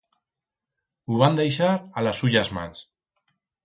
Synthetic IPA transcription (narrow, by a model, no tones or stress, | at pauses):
uβand̪ejʃ̬aɾalasuʎazma̰ns